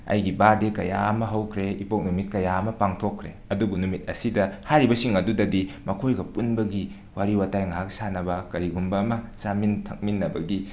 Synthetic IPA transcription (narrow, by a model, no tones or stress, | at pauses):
ɐ̰jɡibadekɐja̰ɐmɐɦɐwkʰɾeipok̚numit̚kɐjaɐmɐpaŋtʰokʰːɾe | ɐdubunumit̚ɐsidɐhajɾibɐsiŋɐdudɐdimɐkʰojɡɐpunbɐɡi | waɾiwatajŋaɦak̚sanɐbɐkɐɾiɡumbɐːmɐsamintʰɐk̚minːɐbɐɡi